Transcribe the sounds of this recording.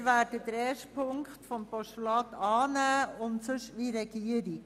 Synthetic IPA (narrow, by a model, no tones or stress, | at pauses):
ʋæːɾdədɾɛːʃpʰʊŋktfɔmpɔʃulɑːt̪ɑːnæːʊntsʏʃʋiɾɛɡ̥iːəɾɪ